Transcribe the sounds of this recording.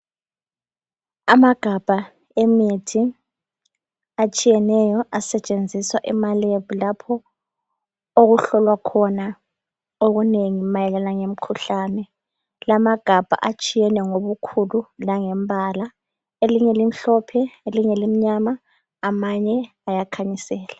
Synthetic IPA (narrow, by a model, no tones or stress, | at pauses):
amaɡ̥ʱab̥ʱa | emitʰi | at͡ʃʼijɛnɛjɔʔasɛt͡ʃʼend͡zʱiswaʔɛmaleβulapʰɔ | oɣuɬɔlwakʰɔna | oɣuneŋimajɛlɛlaŋem̩kʰuɬaːnɛ | lamaɡ̥ʱab̥ʱa̰ʔat͡ʃʼijɛnɛŋoβukʰululaŋɛmbʱala | eliɲɛlim̩ɬɔpʰɛeliɲɛlim̩ɲamaː | maɲɛ | ajakʰaɲisɛːla